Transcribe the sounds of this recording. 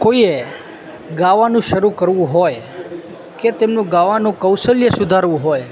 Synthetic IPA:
koie | ɡaʋanũʃəɾũkəɾʋũɦoj | ket̪emnũɡaʋanũkəwsəljəsud̪ʱaɾʋũɦoj

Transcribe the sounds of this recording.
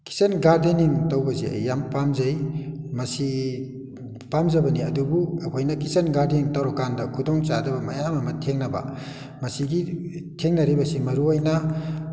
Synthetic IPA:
ki̥senɡaɾdiniŋtɐwbɐzeɐ̰jːampamzajmɐsi | pamzɐbɐniɐ̰dubuɐkʰojnɐkisenɡaɾdiniŋtɐwɾɔkːandɐkʰudɔŋt͡ʃadɐbɐmɐjamɐmɐtʰeŋnɐbɐ̰ | mɐsiɡitʰeŋnɐɾibɐsimɐɾuojnɐ

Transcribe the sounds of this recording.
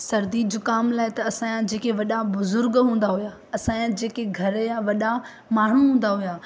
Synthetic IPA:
sɐɾd̪iːd͡ʑoːkaːmlaːɪt̪ɐːsãːjãd͡ʑeːkeʋɐɗabʊzʊɾɡɦũːn̆d̪aɦuja | ɐsããd͡ʑeːkeɡʱɐɾjaʋɐɗa | maːɳ̤uɦũːn̆d̪aɦujaː

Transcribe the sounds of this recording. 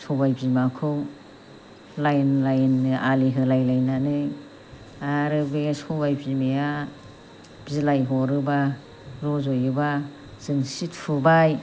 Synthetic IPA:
sʰɔbajpimakʰɯw | lajnlajnːɯaliɦɯlajlajnanɯ | aɾɯbesɔbajpimeja | b̥zilajɦɔɾɯba | ɾɔzojɯba | z̥ɯŋsitfʰubaj

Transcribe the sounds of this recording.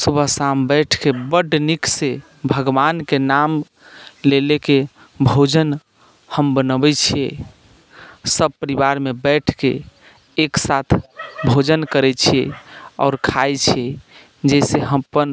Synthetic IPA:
subʱəɦsambɛʈʰkebəɖnikse | bʱəɡʋankenam | leleke | bʱod͡ʒən | həmbənəbɛt͡ʃʰiḛ | səb̚pəɾibaɾmebɛʈʰkḛː | ksat̪ʰbʱod͡ʒənkəɾɛt͡ʃʰieɔ̰ːɾkʰajt͡ʃʰie | d͡ʒɛseɦəmpən

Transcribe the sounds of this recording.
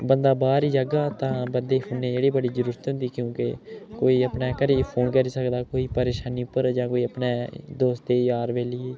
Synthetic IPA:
bənd̪aːbaːɾiːd͡ʒəɡaːt̪ãːbənd̪eːpʰʊneːd͡ʒeːɽiːbəɽiːzəɾuːɾət̪ɦʊ̃nd̪iːkjõːkekoːiːəpnaːkəɾeːpʰoːnkəɾiːsəkd̪aːkoːiːpəɾeːʃaːniːʊpːəɾd͡ʒãːkoːiːəpneːd̪oːst̪eːjaːɾʋeːliː

